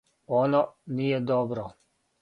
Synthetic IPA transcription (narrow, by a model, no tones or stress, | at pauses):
ɔnɔnijɛd̪ɔbɾɔ